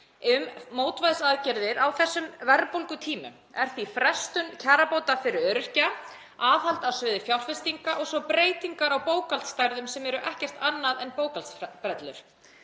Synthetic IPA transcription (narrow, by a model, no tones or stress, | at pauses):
ʏmːoːwt̪vajðsaðcɛɾðɪɾawθɛsːʏmvɛɾpowlkʏt̪ʰiːmʏ̰m | ɛɾ̥θifɾɛst̪ʏncʰaːɾapowt̪afɪɾɪɾœːɾʏr̥ca | aːðhal̥t̪aðsœːðɪfjawlfɛst̪iŋkaʔɔɣsɔpɾeːjt̪iŋkaɾawpoːwkalt̪st̪ajɾðʏmsɛmɛɾʏʔɛhcɛr̥t̪anːaðɛnpoːwkalt̪spɾɛt̪lʏɾ̥